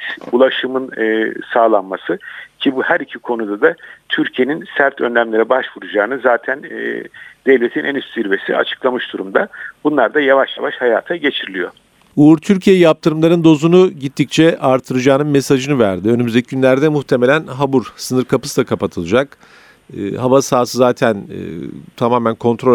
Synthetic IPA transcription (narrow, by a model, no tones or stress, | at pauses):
ulˠaʃɯmɯnːsaːlˠanmasɯcʰibuhæɾicʰikʰo̞nud̪ad̪at̪ʰyɾcʰije̞ninsæɾt̪ʰønlʲæmlʲe̞ɾɛbaʃvuɾud͡ʒaːnɯzaːt̪ʰæn̰ː | d̪̥ɛvlʲet̪ʰinænysiɾve̞sḭa̰t͡ʃʰɯ̥klˠamɯʃd̪uɾumd̪abunlˠaɾd̪ajavaʃja̰vaʃhajaːt̪ʰaɟe̞t͡ʃʰiɾilʲijo̞̰ | uuɾt̪ʰyɾcʰijejap̚t̪ʰɯɾɯmlˠaɾɯnd̪o̞zunuɟit̪ʰːic̚t͡ʃʰɛʔaɾt̪ʰːɯɾɯd͡ʒaːnɯnme̞saʒɯnɯvæɾd̪iø̞nymyzd̪ecʰiɟynlʲæɾd̪ɛmuxt̪ʰe̞melʲænɦabuɾsɯnɯɾkʰapʰɯ̥sɯd̪akʰapat̪ʰɯlˠɯd͡ʒakː | havasaːsɯzaːt̪ʰæn̰ | t̪ʰamaːmænkʰo̞nt̪ʰɾo